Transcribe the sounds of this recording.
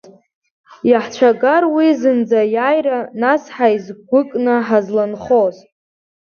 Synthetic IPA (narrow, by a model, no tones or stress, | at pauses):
jaħt͡ʃʷʰaɡarwizɨnd͡zajajranasħaizɡʷʊkʼnɨħazlanχoz